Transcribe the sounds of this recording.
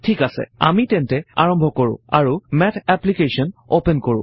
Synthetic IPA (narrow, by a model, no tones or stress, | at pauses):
tʰikasɛ̰a̰mitɛntɛa̰ɹɔmbʱɔkoɹʊ̰̃aɹumɛtʰɛplikesɔnopɛnkoɹʊ̰̃